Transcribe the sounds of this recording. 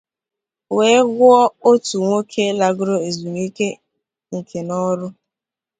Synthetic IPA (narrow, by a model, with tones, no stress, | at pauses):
weː˦ɡʊ˦ɔ˦o˦tu˨ŋʷo˦kʰe˦la˦ɡʊ˦ɾo˦e˨zu˨m˦i˦ke˦ | ŋ̩˨kʰe˨nɔ˦ɾʊ˦